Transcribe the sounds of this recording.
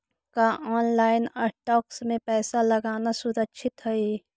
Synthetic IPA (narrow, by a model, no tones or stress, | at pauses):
kaʔɔːnlaːɪnɐʈʈɔːksmẽpɛːsalɐɡaːnasʊɾəkʃʰɪt̪ɦɛe